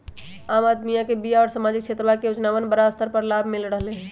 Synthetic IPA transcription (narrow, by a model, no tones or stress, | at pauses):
aːmad̪mijãkebijaɔːɾsamad͡ʒik̚t͡ʃʰet̪ɾəʋakejod͡ʒnawənbəɾaəst̪ʰəɾpəɾlabʱmilɾəɦleɦɛ̃